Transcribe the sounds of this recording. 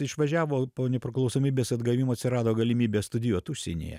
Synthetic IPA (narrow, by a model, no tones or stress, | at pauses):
ɪʃʋɐʒʲæːʋoːpoːnʲɛpʲɾʲɪklˠɐʊsoːmʲiːbʲeːsɐd̪ɡɐʋʲimoːɐt̪ʲsʲɪɾɑːd̪oːɡɐlʲɪmʲiːbʲeːst̪ʊd̪ʲɪjuːt̪usʲḛnʲḛjɛ̰